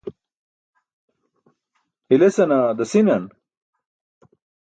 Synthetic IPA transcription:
ilesɐnad̪ɐsinɐn

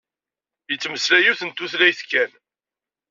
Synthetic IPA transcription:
jət͡sːməslæjuθənt̪uθlæjθkːæn

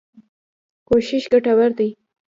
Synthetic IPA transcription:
koʃɪʃɡaʈawaɾd̪aj

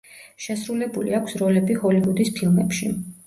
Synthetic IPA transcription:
ʃɛsɾulɛbulḭakʰsɾɔlɛbihɔlivud̪ispʰilˠmɛpʃḭ

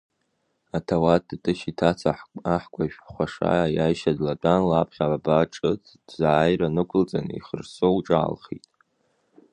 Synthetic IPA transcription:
atʰawattʼɨʃitʰat͡sʰaħaħkʷʼaʃᶣχʷaʂa̰ajajʃadlat͡pʼanlapʰχʲabaʈ͡ʂʼɨtʰd̥zaːjranɨkʷʰʊlt͡sʼanḭχərsowʈ͡ʂʼa̰ːlχḭtʼ

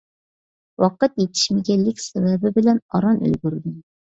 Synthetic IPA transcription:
wɑqɨt̪jet̪ʰɪ̥ʃmɪɡʲɛlːɪkʲsɛvɛbɪbɪlɛnɑɾɑnø̰lɡʲyɾd̪ɪm

